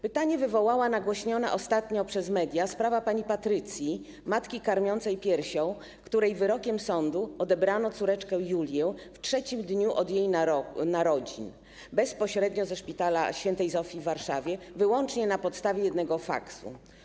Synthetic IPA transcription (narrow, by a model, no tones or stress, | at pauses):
pɘt̪aɲɛvɘvɔwawanaɡwɔɕɲɔnɛ̰ʔɔst̪at̪ɲɔpʂɛzmɛd̪ʲjaspɾavapaɲipat̪ɾɘt̪sʲji | mat̪kʲikaɾmʲjɔnt̪sɛjpʲjɛɾɕɔ̃w̃ | kt̪uɾɛjvɘɾɔkʲɛmsɔnd̪uɔd̪ɛbɾanɔt̪suɾɛt͡ʂkɛjulʲjɛftʂɛt͡ɕimd̪ɲuʔɔd̪jejnaɔnaɾɔd͡ʑḭn | bɛspɔɕɾɛd̪ɲɔzɛʂpʲit̪ala̰ɕfʲjɛnt̪ɛjzɔfʲivːaɾʂavʲjɛvɘwɔnt͡ʂɲɛnapɔt̪st̪avʲɛjɛd̪nɛɡɔfa̰ksṵ